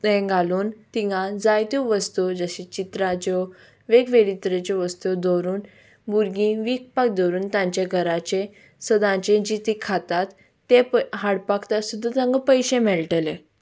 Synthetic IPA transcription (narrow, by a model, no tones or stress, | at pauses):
ẽɡʱaluːnt̪iŋɡãd͡zajt̪uʋəst̪ud͡zəɕit͡ɕit̪ɾãt͡ɕɔ | ʋeɡʋeɽit̪ɾet͡ɕɔʋəst̪ud̪ɔɾuːn | buɾɡĩʋik̚pak̚d̪ɔɾuːnt̪ãɲt͡ɕaɡʱəɾãt͡ɕe | səd̪ãt͡ɕẽd͡ʑit̪ikʰat̪at̪ː | epɦaɽpakʰt̪asud̪ʱːat̪ãŋɡəpəjɕẽmɛɭʈelẽ